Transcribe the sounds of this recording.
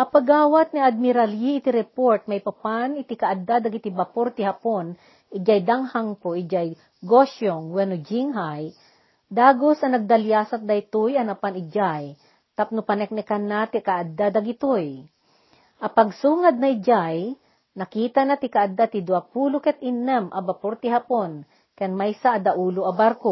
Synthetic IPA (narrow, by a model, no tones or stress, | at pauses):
ʔɐpɐɡaːwat̪̚niad̪̚mɪɾaljiɪt̪iɾɛpoɹt̪̚mɐjpɐpanɪt̪ikaʔad̪ad̪aɡit̪ibapoɾt̪ɪhapon | ʔɪd͡ʒajd̪aŋhaŋpoʔɪd͡ʒaj | ɡoʃoŋwɛnod͡ʒiŋɦaj | d̪aːɡosɐnɐɡ̚d̪ɐljaːsɐk̚d̪ajt̪ʊjɐnɐpanɪd͡ʒaj | t̪ap̚nʊpanɛk̚nɛkanːat̪ikaʔad̪ad̪aɡit̪ʊj | ʔɐpɐɡsuːŋad̪̚nɐid͡ʒaj | nɐkiːt̪anat̪ɪkaʔad̪at̪ɪd̪ʊapuːlʊkɛt̪̚ʔinːɛmʔɐbapoɾt̪ɪɦapon | kɛnmajsaʔːd̪aʔuːlʊʔɐbaɾko